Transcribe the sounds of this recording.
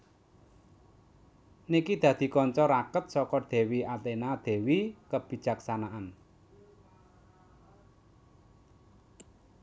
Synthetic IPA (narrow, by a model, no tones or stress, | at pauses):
nikid̪̥ä̤d̪̥i̤kɔɲt͡ʃɔɾakət̪̚sɔkɔd̪̥e̤wiat̪enad̪̥e̤wikəb̥i̤̥d͡ʒ̥ä̤ksanaʔan